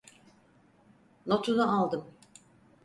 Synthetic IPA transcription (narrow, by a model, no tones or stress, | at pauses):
not̪ʰunaʔalˠd̪ɯm